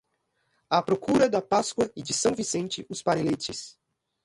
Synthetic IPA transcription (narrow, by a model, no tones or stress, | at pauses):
apɾokuɾɐd̪ɐpaskwɐɪd͡ʒɪsɐ̃w̃visẽnt͡ʃɪʊspaɾelet͡ʃɪs